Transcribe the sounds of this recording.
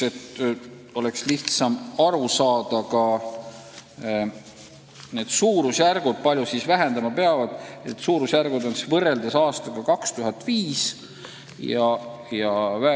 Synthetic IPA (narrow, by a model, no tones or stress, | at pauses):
e̞t̪ː | o̞le̞ksliht̪sɑmɑɾusɑːd̪̥ɑkɑ | ne̞ːd̪̥suːɾusjærɡ̥ud̪̥̚pɑlʲjusisvæɦe̞nd̪̥ɑmɑpe̞ɑvɑd̪̥et̪suːɾusjærɡ̥ud̪o̞nsisvɤre̞ld̪ɑsɑːst̪ɑɡ̥ɑkɑkst̪uɦɑt̪ːˑviːs | jɑjɑvæ